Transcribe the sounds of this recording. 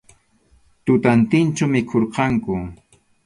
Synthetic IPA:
t̪ʊt̪ant̪ɪnt͡ʃamɪkʰoɾqɑŋkʊ

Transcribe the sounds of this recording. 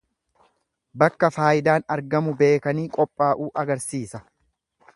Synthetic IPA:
bɐkːɐfaːjɪd̪aːnɐɾɡɐmʊbe̞ːkɐniːkʼɔpʼːaːʔuːʔɐɡɐɾsiːsɐ

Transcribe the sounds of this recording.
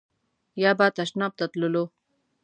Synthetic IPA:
jaːbaːt̪aʃnap̚t̪at̪lulo

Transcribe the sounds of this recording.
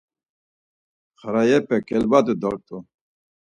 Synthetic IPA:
χaɾajɛpɛkʼɛlbad̪ud̪ɔɾt̪ʼu

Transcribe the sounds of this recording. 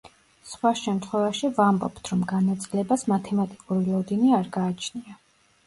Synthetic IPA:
sχwaʃɛmt̪ʰχwɛvaʃivambɔ̰pt̪ʰɾɔmɡanat̪sʼilɛbasmat̪ʰɛmat̪ʼikʼuɾilˠɔd̪iniaɾɡaːt͡ʃʰnia

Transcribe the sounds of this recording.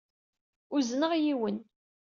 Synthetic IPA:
ʊznəʁjiwən

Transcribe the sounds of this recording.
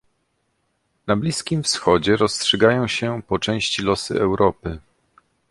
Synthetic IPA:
nablʲiskʲimfsxɔd͡ʑɛɾɔstʂɛɡajɔ̃w̃ɕɛpɔt͡ʂɛ̃w̃ɕt͡ɕilɔsɘ̰ɛwɾɔpɘ

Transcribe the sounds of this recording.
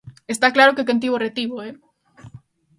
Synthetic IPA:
est̪aklaɾokekent̪̬iβoret̪iβoe

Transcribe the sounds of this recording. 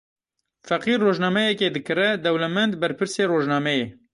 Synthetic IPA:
fɛqiːrːoːʒnaːmɛjɛkeːd̪ɨkɨrɛd̪ɛwlɛmɛnd̪bɛɾpʰɨɾseːroːʒnɑːmɛjeː

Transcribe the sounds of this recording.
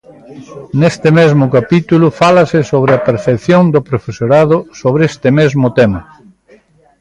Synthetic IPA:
nest̪ɪmezmʊkapit̪ulʊfalɐsɪsoβ̞ɾɪɐpeɾθekθjond̪opɾofesoɾaðʊsoβ̞ɾest̪ɪmezmʊt̪emɐ

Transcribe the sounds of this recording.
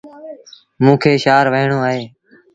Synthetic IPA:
mũːkʰeːʃaːɾʋəɦɪɳoːaːɦeː

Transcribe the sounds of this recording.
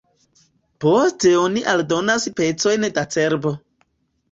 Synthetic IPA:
po̞ste̞oniʔaldo̞naspe̞t͡so̞jndat͡se̞ɾbo̞

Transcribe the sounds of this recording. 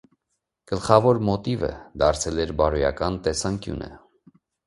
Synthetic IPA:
ɡ̥əlχɑvɔɾmɔt̪ivə̰d̪ɑɾt͡sʰɛlɛɾbɑɾujɑ̰kɑnt̪ɛsɑŋkjṵnə̰

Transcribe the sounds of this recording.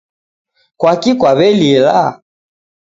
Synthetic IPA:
kwakikwaβɛlila

